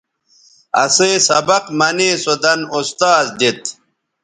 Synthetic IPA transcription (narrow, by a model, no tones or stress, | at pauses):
ɐseːsɐbɐqmɐniːsod̪ɐnust̪aːzd̪it̪